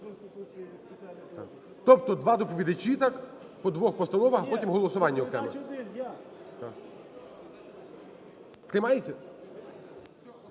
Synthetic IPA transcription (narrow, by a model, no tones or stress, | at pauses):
t̪a̰ | t̪ɔpt̪ɔd̪ʋɑd̪ɔpɔʋʲid̪ɪt͡ʃit̪ɑk | pɔd̪ʋɔxpɔst̪ɐnɔʋɐxpɔtʲimɦɔlˠɔsʊʋɑnʲːɐɔkɾɛ̰mɪ | t̪ɑk | t̪ɾɪmɑjet͡sʲːɐ